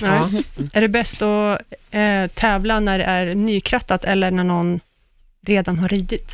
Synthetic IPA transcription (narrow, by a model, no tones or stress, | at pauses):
nɛʔæɖɛbɛst̪ɔ | t̪ʰɛːvlanæɖɛ̰ʔæɾnyːkʰɾat̪ːat̪ɛlːəɳæɳɔnː | ɾeːd̪anɦaɾiːd̪ɪt̪